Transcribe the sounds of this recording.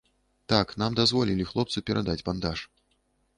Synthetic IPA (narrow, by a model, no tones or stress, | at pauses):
t̪aknamd̪azvɔlʲilʲixlˠɔp̚tsupʲɛɾʔad̪ad͡zʲband̪aʂ